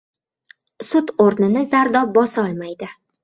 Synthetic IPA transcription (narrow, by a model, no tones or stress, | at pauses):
sʊt̪oɾnɪnɪzaɾd̪ɒbɒsɒlˠmajd̪ɪ